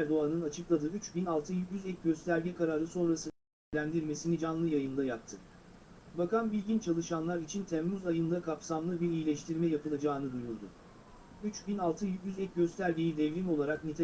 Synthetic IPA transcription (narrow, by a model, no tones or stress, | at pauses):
ɾd̪o̞anɯnat͡ʃʰɯklˠad̪ɯːyt͡ʃbinalˠt̪ʰɯjycyzɛc̚ɟø̞st̪ʰæɾɟɛkʰaɾaɾɯso̞nɾasɯ | lʲænd̪iɾme̞sinid͡ʒanlˠɯjajɯnd̪ajak̚t̪ʰːɯ | bakanbilʲɟint͡ʃʰalˠɯʃanlˠaɾit͡ʃʰint̪ʰɛmmyzajɯnd̪akʰapsamlˠɯbiɾijlʲɛʃt̪ʰiɾmɛjapʰɯlˠad͡ʒaːɯnɯd̪ujuɾd̪ʊ̰ | yt͡ʃbinalˠt̪ʰɯjycʲyzɛc̚ɟø̞st̪ʰæɾɟejid̪ɛvɾimo̞lˠaɾaknit̪ʰ